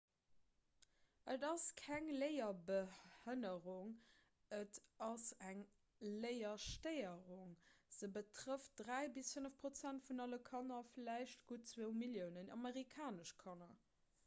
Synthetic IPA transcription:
ʔədɑskʰæŋləɪɐbəhənəʁuŋ | ətɑsæŋ | ləɪɐʃtəɪəʁuŋz̥əbətʁəft̚d̥ʁæɪbisfənəfpʁ̥ot͡sæntfunɑləkʰɑnɐflæɪʃtɡ̥utt͡swoʊmiljəʊnənɑmeʁikʰaːnəʃkʰɑnɐ

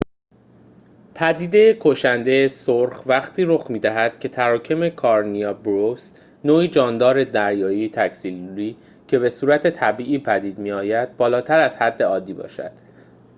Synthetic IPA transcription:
pʰæd̪iːd̪e̞jekʰoʃænd̪e̞esoɾxvæχt̪ʰiːɾoχmiːd̪æɦæd̪̥cʰe̞t̪ʰæɾɒːcʰe̞me̞kʰɒɾniɒbɾofs | noːiːd͡ʒɒːnd̪ɒːɾe̞d̪æɾjɒːjit̪ʰæksiliː | cʰe̞βe̞suːɾæt̪ʰe̞t̪ʰæbiːʔiːpʰæd̪iːd̪miːɒːjæd̪̚bɒːlɒːt̪ʰæɾæz̥hæd̪ːe̞ɒːd̪ːiːbɒ̰ːʃæ̰d̪̥

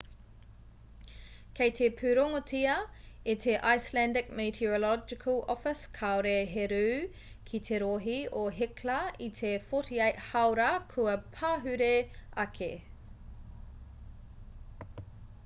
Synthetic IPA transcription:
kʰejtʰepʰʉɾoŋotiɐitʰeʔajslændɪk̚metʰolɔd͡ʒɪkʰɐlɔfɪskʰawɾeɦeɾʉː | kʰit̪ʰeɾoɦioɦeklɐit̪ʰefotiɐhawɾɐkʰuɐpʰaːɦʉɾeɐkʰḛ

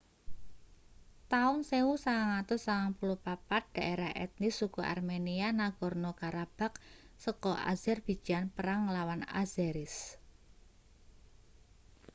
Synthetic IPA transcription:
t̪aʊnsewusaŋaŋat̪ʊsaŋaŋpulʊhpapad̪̥a̤ʔeɾahɛ̰t̪̚nɪsːukuʔa̰rmenianaɡ̥ɔ̤rnokaɾab̥a̤k̚ | səkɔʔa̰zɛrb̥i̤̥ʒ̥ianpəɾaŋlawana̰zɛɾɪs

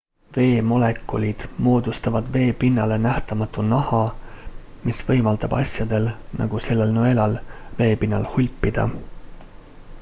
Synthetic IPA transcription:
ve̞ːmo̞le̞kːˑolʲid̪̥mo̞ːd̪ust̪ɑvɑd̪̥ve̞ːpinːɑle̞næht̪ɑmɑt̪ːˑunɑhɑ | misvɤ̞jmɑld̪ɑb̥ɑ̰sʲjɑd̪̥e̞lnʔɑ̰ɡ̥use̞lːe̞lnoe̞lɑlve̞ːpinːɑ̰lhulʲpːid̪̥ɑ̰

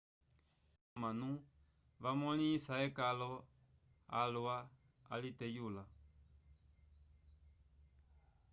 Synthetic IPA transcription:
amanu | ʋamɔlĩsaɛkalɔ | a̰lua | a̰litɛjula

